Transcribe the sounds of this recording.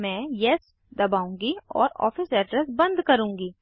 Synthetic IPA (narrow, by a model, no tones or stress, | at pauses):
mɛ̃ːjɛs | d̪ɐbaːũːŋɡiɔ̰ːɾɔ̰ːfɪsɛːɖɾɛsbɐ̃nd̪kɐɾũːŋɡiː